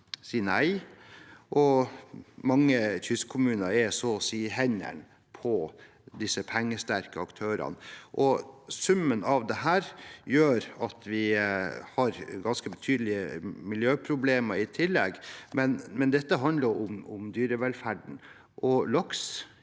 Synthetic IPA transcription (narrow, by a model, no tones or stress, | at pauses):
siːnæɪ | ʔɔ | mɑŋːət̪ʰʏskkʰʊmʉːnɑɾɛsɔsiːɦɛɲæ̰ɳ | pʰɔ | d̪ɪsəpʰɛŋːəst̪æɾkəɑkt̪ʰøːɾɑ̰nʔɔsʉmːənɑʋd̪ɛɦæːɾjøːɾɑt̪ʰʋɪhɑɾɡɑnskəbət̪ʰyːd̪əlɪəmɪljøːpʰɾʊbleːmɑɾɪt̪ʰɪlːɛɡmɛnmɛnd̪ɛt̪ːəɦɑnd̪ləɾʊmʊmd̪yːɾəʋɛlfæɖɳ̩ | ʔɔlɑks